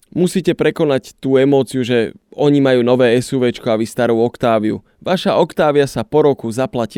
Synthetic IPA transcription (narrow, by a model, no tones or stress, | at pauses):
musiːcɛpɾɛkɔnact̪uːɛmɔːt͡siuʒɛɔɲimajuːnɔʋɛːɛsuʋɛt͡ʃkɔaʋist̪aɾuːɔkt̪aːʋiṵ | ʋaʃaʔɔkt̪aːʋɪasapɔɾɔkuzaplaci